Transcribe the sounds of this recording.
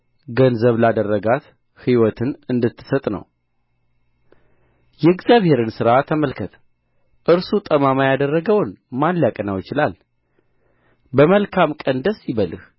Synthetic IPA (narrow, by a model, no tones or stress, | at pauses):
ɡənzəβlad̪ərːəɡat̪ | hiwɔt̪ʰɨnɨnd̪ɨt̪ʰːɨ̥sət̪ʼnə̰w | jɛɡzjaβhe̞ɾɨnsɨɾat̪ʰəməlkʰət̪ʰ | ʔɨɾsut̪ʼəmamajad̪ərːəɡəwnmanlːjakʼənawjɪt͡ʃɪlal | bəməlkʰamkʼənd̪əsjɪβəlɨh